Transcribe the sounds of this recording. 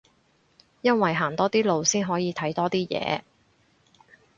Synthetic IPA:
jɐ˥nwɐ˨jɦaː˨˩nt̪ɔː˥t̪iː˥lo˨wsiː˥nɦɔː˨˥jiː˨˧t̪ʰɐ˨˥jt̪ɔː˥t̪iː˥jɛ̰ː˨˧

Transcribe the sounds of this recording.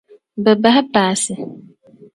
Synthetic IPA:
bɛ˨ba˦ha˦paː˨sɪ˨

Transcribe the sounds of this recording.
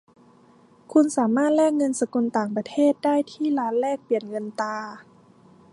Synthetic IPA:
kʰu˧nsaː˩˦maː˥˩t̪̚lɛː˥˩k̚ŋɤ˧nsa˧ku˧nt̪aː˨˩ŋpa˧t̪ʰeː˥˩t̪̚daː˥˩˨jt̪ʰiː˥˩˨laː˧˦˥nlɛː˥˩k̚pi˨˩ənŋɤ˧nt̪aː˧

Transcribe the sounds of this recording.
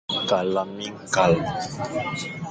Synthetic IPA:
ka˨la˨mi˦ŋka˨l

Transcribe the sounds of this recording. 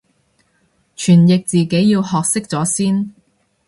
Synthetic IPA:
t͡ʃʰyː˨˩njɪ˨k̚t͡siː˨ke˨˥jjiː˧whɔː˨k̚sɪ˥k̚t͡sɔː˨˥siː˥n

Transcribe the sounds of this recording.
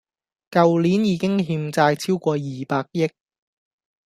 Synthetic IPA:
kɐ˨wliː˨˥njiː˨˧kɪ˥ŋɦiː˧mt͡saː˧jt͡sʰiː˥wkʷɔː˧jiː˨paː˧k̚jɪ˥k̚

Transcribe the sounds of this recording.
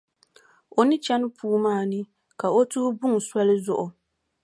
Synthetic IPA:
o˨nɨ˦t͡ʃɛ˦n˦pʰuː˦maː˦˨nɨ˦ | ka˨o˦tʊ˦hʊ˦bʊ˦ŋ˨swa˦lɨ˦zʊ˨ʔʊ˨

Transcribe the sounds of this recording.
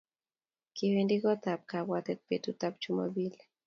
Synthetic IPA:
kiwendi˦kɔ˦t̪a˨p̚ka˨wat̪ɛ˦t̪̚pet̪u˦t̪a˦p̚t͡ʃu˦mo̰˦bi˦l

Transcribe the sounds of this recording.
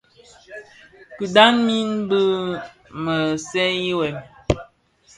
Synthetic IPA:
kʉ˨da˦nmi˦nbə˦ | mə˨sɛ˦ji˦wɛ˨m

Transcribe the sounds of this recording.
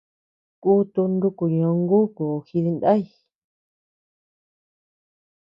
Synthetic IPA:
ku˦t̪u˧nd̪u˦ku˨ɲõ˧ŋɡu˦ku˨xi˧ði˧nd̪a˦j

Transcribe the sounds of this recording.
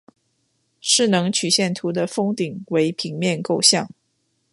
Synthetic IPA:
ʂɻ̩˥˩nɤ˧˥ŋt͡ɕʰy˨˩ɕjɛ˥˩nt̪ʰu˧˥d̪ə˧fɤ˥ŋt̪i˨˩ŋwe˧˥ɪpʰi˧˥ŋmjɛ˥˧nko˥˧ʊɕjɑ˥˩ŋ

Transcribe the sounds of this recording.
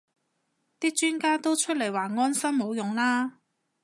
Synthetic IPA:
t̪iː˥k̚t͡ʃyː˥nkaː˥t̪o˥wt͡ʃʰɵ˥t̚le˨˩jwaː˨˩ŋɔː˥nsɐ˥mmo˨˥wjʊ˨ŋlaː˥

